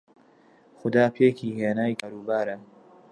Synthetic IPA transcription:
xʊd̪aːpʰeːkʰiːheːnaːjkaːɾuːbaːɾɐ

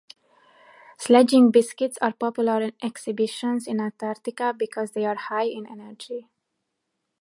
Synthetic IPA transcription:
slɛd͡ʒɪ̃ŋbɪskɪtsaɾpɔpjuləɾɪ̃nɛksɪbɪʃə̃nsɪ̃nãnt̪aɾt̪ɪkabikʰɔzd̪eaɹhaɪɪ̃nɛ̰nəɾd͡ʒi

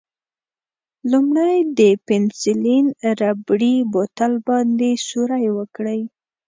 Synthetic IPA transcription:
lumɽajd̪əpɪnsilinɾabɽibot̪albɑnd̪esuɾajwəkɽəj

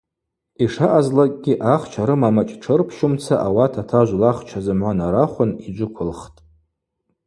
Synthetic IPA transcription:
iʂaʔazlakʼɡʲiʔaχt͡ʃʷʰaɾɨmamat͡ʃʼʈ͡ʂʰɨrpʰʃʊmt͡sʰaʔawatʰatʰaʒʷlaχt͡ʃʰazɨmʕʷanaɾaχʷʊnid͡ʒʷʊkʷʰʊlχtʼ

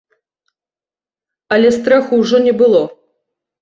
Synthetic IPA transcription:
ɐlʲɛst̪ɾaxuwʐɔnʲɛbɨlˠɔ

